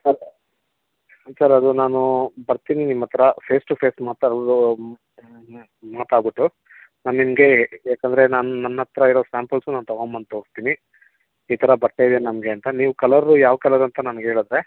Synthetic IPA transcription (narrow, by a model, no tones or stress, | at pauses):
sɐɾ | sɐɾɐd̪unaːnubɐɾt̪iːninimːɐt̪ʰɐɾɐpʰeːsʈupʰe̞ːsmaːt̪au | maːt̪aːɾbiʈːu | naːnnimɐɡe̞aːkɐnd̪ɐɾe̞naːnunɐnːɐt̪ɾɐiɾosaːmpɐlsunaːnut̪ɐɡombɐnt̪oːɽst̪iːni | iːt̪ʰɐɾɐbɐɾt̪ajid̪jenɐmɐɡe̞ɐnt̪ɐniːʋukɐlɐɾːujaːʋɐkɐlɐɾɐnt̪ɐnɐnɡeːɭud̪ɾe